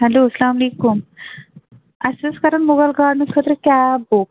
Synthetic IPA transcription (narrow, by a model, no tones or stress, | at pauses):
hɛloslamlekum | əsəskaɾəɳmoɣalɡaɖnikʰət̪ɾəkjabok̚